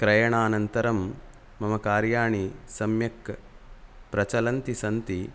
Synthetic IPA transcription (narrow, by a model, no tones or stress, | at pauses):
kɾɐjɐɳaːnɐnt̪ɐɾɐmː | ɐmɐkaːɾjaːɳisɐmjɐk | pɾɐt͡ʃɐlɐnt̪isɐnt̪i